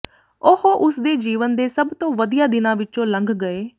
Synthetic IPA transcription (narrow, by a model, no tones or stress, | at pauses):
ʊhoʔʊsd̪eːd͡ʒiːʋənd̪eːsəbt̪õːʋəd̪ijaːd̪ɪnãːʋɪt͡ʃõːlə̃ŋɡɡəeː